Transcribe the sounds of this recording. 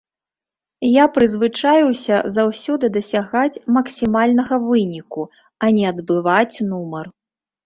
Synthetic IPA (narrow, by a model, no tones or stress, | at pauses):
japɾɨzvɨt͡ʂajiwsʲɐzawsʲɔd̪ɨd̪ɐsʲaɣat͡sʲmɐksʲimalʲnɐɣɐvɨnʲiku | ɐnʲɛɐd̪bɨvat͡sʲnumɐr